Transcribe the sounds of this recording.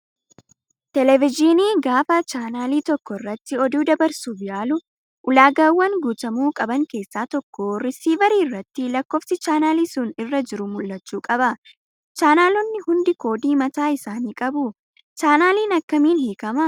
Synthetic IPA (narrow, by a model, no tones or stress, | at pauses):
t̪ɛlɛvɪd͡ʒiniːɡaːfɐt͡ʃaːnaːliːt̪ɔkːɔɪrːɐt̪ːɪɔd̪uːd̪ɐbɐɾsuːbɪjaːlʊ | ʔʊlaːɡaːwːɐŋɡuːt̪ɐmuːkʼɐbɐŋke̞ːsːaːt̪ɔkːoːrɪsiːvɐɾiːɪrːɐt̪ːɪlɐkːo̞ːfsɪt͡ʃaːnaːlisuːnɪrːɐd͡ʒɪɾʊmʊlːɐt͡ʃːuːkʼɐbɐ | t͡ʃaːnaːlɔnːɪhʊnd̪ɪko̞ːd̪iːmɐt̪aːɪsaːniːkʼɐbʊ | t͡ʃaːnaːliːnɐkːɐmiːnhiːkɐmɐ